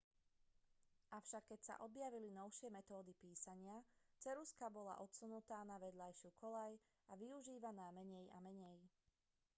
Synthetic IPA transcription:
ʔaʊʃakːɛcsa̰ʔɔbjaʋilinɔʊʃɪɛmɛt̪ɔːd̪ipiːsaɲɪat͡sɛɾuskabɔla̰ʔɔt̪sunut̪aːnaʋɛd̪ʎajʃɪukʰɔlaj | aʋiuʒiːʋanaːmɛɲɛja̰mɛɲɛj

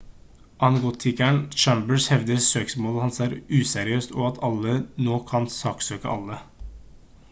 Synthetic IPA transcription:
ʔɑnɡoːt̪ʰɪkæɳt͡ʃæmbəshɛʋd̪əɾsøːksmoːlɑt̪hɑnsæːɾʉːsɛɾɪøːst̪oːɑt̪ʰɑlːənoːkʰɑnsɑːksøːkə̰ʔɑlːə

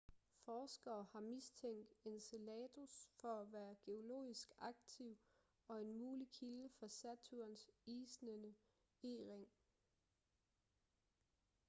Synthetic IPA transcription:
fɒːsɡ̥ɐːhɑ̈mist͡sʰeŋ̰d̥e̝nselɛːt͡sʰusfɒ̽æʋæːɐɡ̥e̝o̝lo̝̰ːisɡ̥ɑ̈ɡ̥t͡sʰiʊ̰ | ɒ̽e̝nmuːlikʰiləfɒsæt͡sʰuɐnsiːsnənə | eʁeŋ

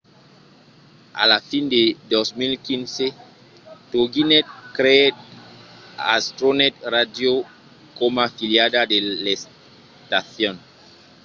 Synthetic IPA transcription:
a̰lafinded̪osmilkinse | toɡinɛt̪̚kɾet | a̰st̪ɾonɛt̪̚radjo | komafiljadadeles | t̪aθjɔ̃n

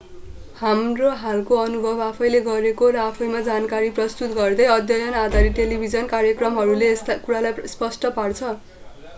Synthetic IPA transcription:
hamroɦalkoʌnubʱʌbapʰʌjleɡʌɾekoɾʌapʰʌjmad͡zankaɾiprʌst̪ut̪ɡʌrd̪ʌjʌd̪jʌjʌnad̪ʱaɾiʈelibʱid͡zʌnkaɾjʌkrʌmɦʌɾuleːst̪akuɾalajspʌsʈʌpart͡sʰʌ

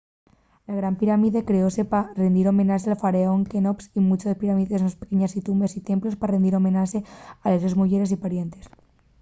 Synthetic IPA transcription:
laɣ̞ɾampiɾamiðekɾeoseparend̪iɾo̞mẽ̞nasealfaɾeoŋkenopsimut͡ʃoðepiɾamiðesnospekeɲasit̪umbe̞sit̪e̞mplosparend̪iɾo̞mẽ̞nasealezozmuʝeɾes̬ipaɾje̞nt̪es

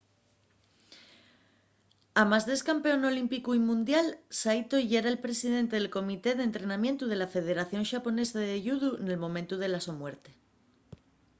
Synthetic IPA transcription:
amazðe̞skampe̞o̞no̞limpikuimũnd̪jalsajt̪oiʝeɾae̞lpɾe̞siðe̞nt̪e̞ðelko̞mit̪e̞ð̞e̞nt̪ɾe̞namje̞nt̪uð̞e̞lafe̞ð̞e̞ɾaθjo̞nʃapo̞ne̞saðeʝuðuene̞lmõ̞mẽnt̪uð̞e̞laso̞mwe̞ɾt̪e

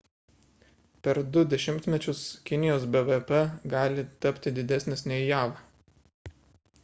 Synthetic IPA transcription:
pʲɛɾd̪ʊd̪ʲɛʃʲɪmʲt̪ʲmʲɛt͡ʃʲʊskʲɪnʲɪjoːsbɛʋɛpɛɡɑːlʲɪt̪ɐpʲt̪ʲɪd̪ʲɪd̪ʲɛsʲnʲɛsʲnʲɛɪjɑːʋɑ

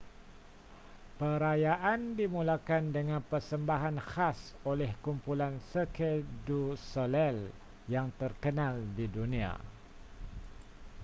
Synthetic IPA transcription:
pəɾajaʔandimulakandəŋãnpərsəmbaɦanhasolɛhkumpulansəkʰedusolɛl | jaŋt̪ərkənaldidunĩa̰

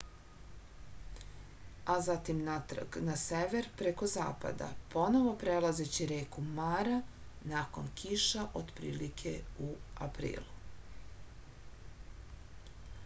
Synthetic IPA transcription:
azat̪imnat̪rɡnaseʋeɾpɾeko̞za̰ːpa̰d̪a̰po̞noʋo̞pɾelˠazet͡ɕiɾeːkumaɾa | naːko̞̰nkʰiʃaʔod̪pɾḭːlikʰe̞ua̰pɾḭːlˠu

